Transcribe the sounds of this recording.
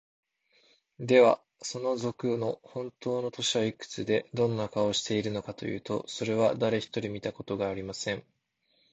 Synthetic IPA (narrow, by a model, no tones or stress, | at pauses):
d̪e̞βa | so̞no̞zo̞kɯ̟no̞hõ̞nt̪o̞ːno̞t̪o̞ɕiβaikɯ̟̥t͡sɨd̪e̞d̪õ̞nːakao̞ɕi̥t̪e̞iɾɯ̟no̞kat̪o̞jɯ̟̰ːt̪o̞̰so̞ɾe̞β̞ad̪aɾe̞çi̥t̪o̞ɾʲimʲit̪ako̞t̪o̞ɡaːɾʲimasẽ̞ɴ